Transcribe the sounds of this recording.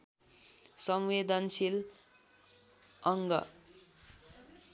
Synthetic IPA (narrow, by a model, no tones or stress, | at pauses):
sʌmwed̪ʌnsil | ʌŋɡʌ̰